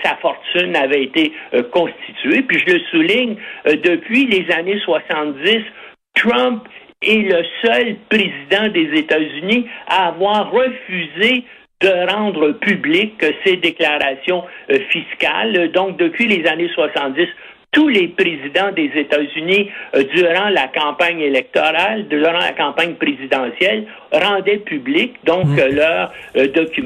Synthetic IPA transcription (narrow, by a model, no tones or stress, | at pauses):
safɔʁt̪ynavɛet̪ekɔ̃st̪i̥t̪yepɥiʒələsuliɲd̪əpʰɥilezaneswasɑ̃t̪̚d̪ɪs | t̪ʁœ̃p | ɛləsœlpʁezid̪ɑ̃d̪ezet̪azyniaːvwaːʁːəfyze | d̪əʁɑ̃ːd̪ʁəpyblɪksed̪eklaʁasjɔ̃fiskʲa̰ld̪ɔ̃k̚d̪əpʰɥilezaneswasɑ̃t̪̚ɪs | t̪ulepʁezid̪ɑ̃d̪ezet̪azynid̪yːʁɑ̃lakɑ̃paɲelɛk̚t̪ɔʁald̪yʁɑ̃la̰kɑ̃ːpaɲpʁezid̪ɑ̃sjɛl | ʁɑ̃d̪ɛpyblɪkd̪ɔ̃klœːʁd̪ɔkʲy